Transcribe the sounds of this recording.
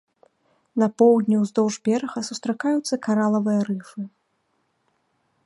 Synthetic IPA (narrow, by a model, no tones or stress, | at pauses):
nɐpɔwd̪ʲnʲuwzd̪ɔwʐbʲɛɾɐɣɐsust̪ɾakajut̪sːɐkaɾalˠɐvɨjɐɾɨfɨ